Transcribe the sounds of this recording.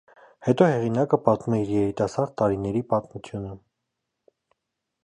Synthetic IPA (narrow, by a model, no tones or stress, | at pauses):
hɛt̪ɔhɛʁinɑkəpɑt̪numɛiɾjɛɾit̪ɑsɑɾt̪ɑɾinɛɾipɑt̪mut͡sʰjunə